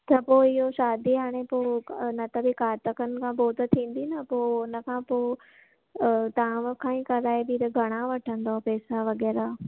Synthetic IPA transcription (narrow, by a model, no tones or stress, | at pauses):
t͡ɕʰɐpoːɪɦoʃaːd̪iɦaːɽ̃epoːnɐt̪ɐbikaːɾt̪əkənɪ̆kʰãːpoːt̪t̪ʰĩːn̆d̪inəpoːʊnə̆kʰãːpoː | t̪ɐʋãʋkʰãːĩːkɐɾaːebɪɾɐɡʱɐɽ̃aʋɐʈʰə̃nd̪opɛːsaʋɐɣɛːɾaː